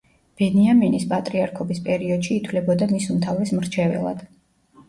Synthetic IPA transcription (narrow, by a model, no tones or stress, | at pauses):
b̥ɛniaminispʼat̪ʼɾiaɾkʰɔbispʼɛɾiɔd̪̥ʃiːt̪ʰwlɛbɔd̪amisumt̪ʰavɾɛsmɾt͡ʃʰɛvɛ̰lˠa̰d̪̥